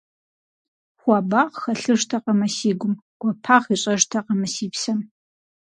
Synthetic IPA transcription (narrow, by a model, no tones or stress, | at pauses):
χʷɑːbaːʁxɐɬɨʐtʰɐqɐmɐsiːɡʷʊm | ɡ̥ʷɔpʰaːʁiːɕʼɐʐtʰɐqɐmɐsiːpsɐm